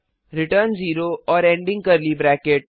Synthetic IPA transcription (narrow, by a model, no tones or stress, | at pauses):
ɾɪʈəɾnziːɾoɔːɾẽːɳɖɪ̃ŋɡ̚kɐɾliːbɾɛːkeʈ̚